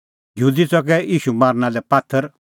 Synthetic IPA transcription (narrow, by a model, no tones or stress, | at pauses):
jəɦuːd̪it͡sɔkɛiːʃumaːɾnãlɛpat̪ʰːəɾ